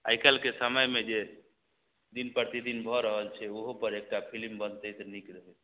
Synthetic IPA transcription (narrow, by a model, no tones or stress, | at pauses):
a̰jkɛlkesəməjmed͡ʒe | d̪inpəɾt̪id̪inbʱɔɾəɦəlt͡ʃʰɛoɦopəɾek̚ʈapʰilmbənt̪əjsenikɾəɦɛ